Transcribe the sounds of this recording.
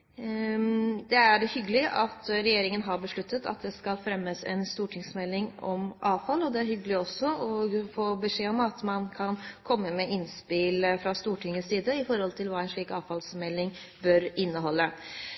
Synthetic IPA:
d̪ɛæɾhʏɡːəlɪʔɑt̪ɾɛjeːɾɪŋənɦɑɾbəʂɭʉt̪ʰːət̪ʰɑ̰t̪̚d̪ɛskɑlfɾɛmːəsɛ̰nst̪uːʈʰɪŋsmɛlːɪŋɔmʔɑːʋfɑlːɔd̪ɛæɾhʏɡəlɪɔsːɔɔfoːbəʂeːɔmɑt̪mɑnkʰɑnkʰɔmːəmɛʔɪnspɪlfɾɑst̪uːʈʰɪŋːəsiːd̪əɪfɔɾhɔlt̪ʰɪlʋɑːɛnʂɭiːkɑːʋfɑlsmɛlːɪŋ | bœɾɪnːəɦɔlːə

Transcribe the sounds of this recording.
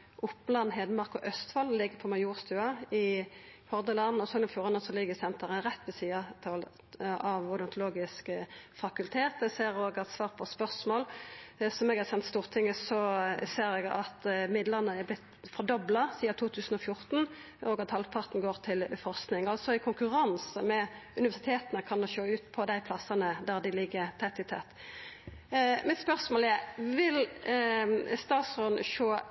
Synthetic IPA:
ʔʊpːlɑnheːd̪əmɑʁkɔʔœst̪fɑllɪɡːəpʰɔmɑjuːʁst̪ʉːɑɪhɔʁd̪əlɑnɔsɔnɔmfjuːɾɑnəsɔlɪɡːəsɛnt̪əʁəɾɛt̪ːʋɛsiːɑt̪ʰɑl | ɑʋɔʁd̪ɔnt̪ʊloːɡɪskəfɑkʉlt̪ʰeːt̪ɛseːɾoːɡɑt̪sʋɑːʁpʰɔspœʁsmoːlsɔmɛɡhɛsɛnt̪st̪uːʁt̪ʰɪŋːəsɔseːɾɛɡɑ̰t̪mɪd̪ləʁnəɛblɪt̪fɔɾd̪ɔblɑsiːɑt̪ʰuːt̪ʰʉːsən̩ɔfjʊʁt̪n̩ | ʔɔɡɑt̪hɑlpʰɑʁt̪nɡoːʁt̪ʰɪlfɔʁsknɪŋɑlsɔɪkʰʊŋkʉʁɑnsəmɛʉnɪʋæsɪt̪ʰeːt̪ənəkʰɑnd̪oʃoːʉːt̪pʰɔd̪æɪpʰlɑsɑnəd̪æʁd̪ɪlɪɡːəɾt̪ʰɛt̪ːɪt̪ʰɛt̪ː | mɪt̪spœʁsmoːlɛɾʋɪl | st̪ɑːt̪sʁɔnəʃoː

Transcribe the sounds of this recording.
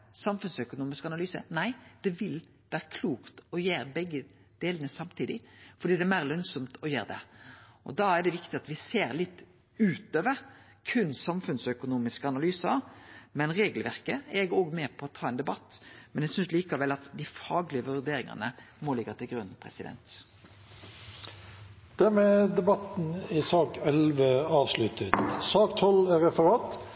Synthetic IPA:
sɑmfʉnsœkʊnuːmɪskɑnɑlyːsə̰næɪd̪̥ɛʋɪl | ʋæːɾəkʰluːkt̪ɔjeːɾbɛɡːə | d̪̥eːlənəsɑmt̪ʰiːd̪ɪfɔɾɖ̪iːd̪ɛmæːɾlœnsɔmt̪ʰɔjḛːɾəd̪ɛ̰ʔɔ̰d̪ɑæɖɛʋɪkt̪ɪɑt̪ʋɪseːɾlɪt̪ː | ʉːt̪øːʋəɾ | kʰʉnːsɑmfʉnsœkʊnuːmɪskəɑnɑlyːsəɾmɛnʁeːɡəlʋæʁkəɛɡəoːɡmɛːpʰɔːt̪ʰɑːɛnd̪ɛbɑt̪ːmɛnɛsʏnsliːkəʋɛlːɑt̪d̪ɪfɑːɡlɪəʋʉʁd̪eːɾɪŋɑ̰nə | molɪɡət̪ʰɪlɡɾʉnpʰʁɛ̰sɪd̪ɛ̰nt̪ | d̪̥ɛmɛd̪ɛbɑt̪n̩ɪsɑːkɛlʋəɑːʋslʉt̪ət̪sɑːkt̪ʰɔlæɾɛfəʁɑːt̪

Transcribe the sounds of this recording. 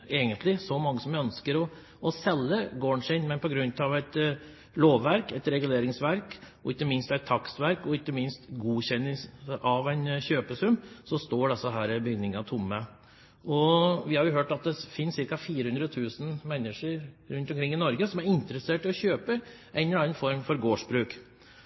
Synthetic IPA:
eːɡənt̪lɪsɔmɑŋːəsɔmjæœnskəɾɔː | sɛlːəɡoːɳʂɪnmɛnpʰɔɡɾʉnt̪ɑʋæɪt̪ | loːʋːæɾkɛt̪ɾɛɡʉleːɾɪŋsʋæɾk | ɔɪkːəmɪnst̪æɪt̪ʰːɑksʋæɾkɔɪkːəmɪnst̪ɡuːçɛnːɪsʔɑʋæɪnɕøːpəsʉmsɔst̪oːɖɛsəɦæːɾɪbʏɡnːɪŋɑt̪ʰʊmːə | ʔɔʋɪhɑɾjʊɦøːʈɑt̪̚d̪ɛfɪnsɪɾkɑfiːɾəhʉnd̪ɾəɔt̪ʰʉːsn̩mɛnːəʂəɾɾʉnt̪ɔmkʰɾɪŋːɪnɔɾɡəsɔmæɾɪnt̪ɾəseːʈɪɔçøːpə | ʔæɪnnɑnfɔɾmfɔɾɡoːʂbɾʉːk

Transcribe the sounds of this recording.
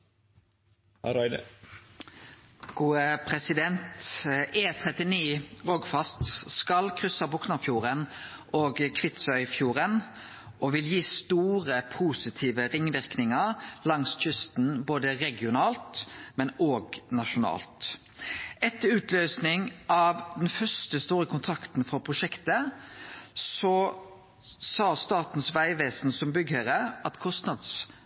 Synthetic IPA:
ɾɪd̪ə | ɡ̥uːəpʰɾɛsɪd̪ɛnt̪eːt̪ʰʁɛt̪ɪniːʁɔɡfɑst̪skɑlkʰʁʏsɑbɔksnɑfjuːʁən | ʔoːɡkʰʋɪt̪sœʏfjuːʁən | ʔoʋɪljiːst̪uːʁəpʰusɪt̪ʰiːʋəʁɪŋːʋɪʁknɪŋəʁlɑŋsc͡çʏst̪n̩boːd̪əɾɛɡɪʊnɑːlt̪mɛnoːɡnɑʃʊnɑ̰ːlt̪ | ɛt̪ːəɾʉːt̪ʰløːsnɪŋʔɑʋd̪ɛnfœst̪əst̪uːɾəkʰʊnt̪ʰɾɑkt̪n̩fɔɾpʰɾʊʂɛkt̪ə | sɔ | sɑːst̪ɑːt̪n̩sʋæɪʋeːsnsɔmbʏɡhəɾəɑt̪kʰɔst̪nɑd̪s

